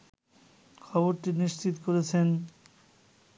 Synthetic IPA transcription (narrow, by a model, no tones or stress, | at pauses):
kʰɔboɾʈiniʃt͡ɕit̪okoɾet͡ɕʰen